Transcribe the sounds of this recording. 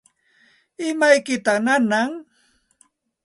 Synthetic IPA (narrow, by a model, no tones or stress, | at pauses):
ɪmajkɪt̪aχnanaŋ